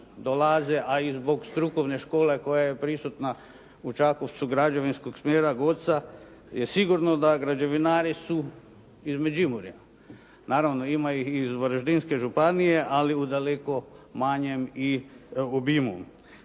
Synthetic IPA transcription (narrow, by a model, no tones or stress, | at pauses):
d̪olazeʔaizbo̞ɡst̪ɾukoʋneʃko̞ːle̞ko̞jaje̞pɾisut̪na | ut͡ʃakoʋt̪suɡɾad͡ʒoʋinskoɡsmjeːɾaɡo̞t̪sajesiɡuɾnod̪aɡɾad͡ʒe̞ʋinaːɾisu | izmed͡ʑimuɾja | naːɾaʋnoimaixizʋɾʒd̪inske̞ʒupanije̞ʔaliud̪aleko̞maɲe̞miobimu